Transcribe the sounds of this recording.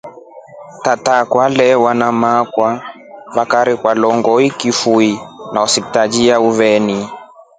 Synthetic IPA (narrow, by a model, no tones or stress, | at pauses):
tatakwalɛwanamakwa | βakaɾikwalɔŋɡɔikifuinaɔsiktad͡ʒiauvɛni